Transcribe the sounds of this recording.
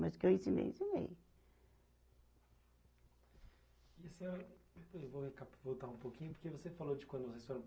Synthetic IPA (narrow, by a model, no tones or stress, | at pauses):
mɐzʊkewĩsĩmḛj̰̃sĩmḛj | iesiɛewvohikapvowt̪aũpokĩɲʊpoɾkevosefalod͡ʒɪkw̃nd̪ʊsest̪õɾ̃